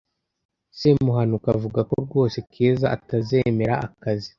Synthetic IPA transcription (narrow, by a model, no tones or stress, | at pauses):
semuɦanukavuɡakoɾɡo̞ːsekʰiːzaʔataze̞me̞ɾaʔakazi